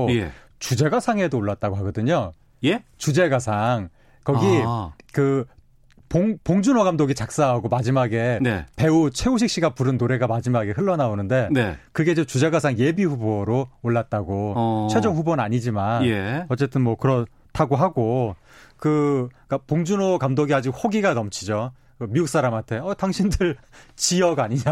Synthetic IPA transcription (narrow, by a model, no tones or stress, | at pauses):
je | t͡ɕud͡ʑe̞ɡasʰaŋe̞doːɭːat̚t͈aɡoɦaɡʌdɯɲo | jet͡ɕud͡ʑe̞ɡasʰaŋ | kʌɡikɯ | poŋpoŋd͡ʑunwʌɡamdoɡit͡ɕak̚s͈aɦaɡomad͡ʑimaɡe̞nepe̞ut͡ɕʰe̞uɕ̬ʰik̚ɕ͈iɡapuɾɯnːoɾe̞ɡamad͡ʑimaɡe̞ɸɯɭːʌnaonɯnde̞nekɯɡe̞d͡ʑʌmt͡ɕud͡ʑaɡasʰaŋje̞biɸuboɾooɭːat̚t͈aɡot͡ɕʰwe̞d͡ʑʌŋɸubonaɲid͡ʑimanjeʌt͡ɕ͈e̞t͈ɯnmwʌkɯɾʌ | tʰaɡoɦaɡo | kɯkapoŋd͡ʑunokamdoɡiad͡ʑiɡ̚hoɡiɡanʌmt͡ɕʰid͡ʑo | kɯmiuk̚s͈aɾamɦantʰe̞ʌtaŋɕʰindɯɭt͡ɕiʌɡaɲiɲa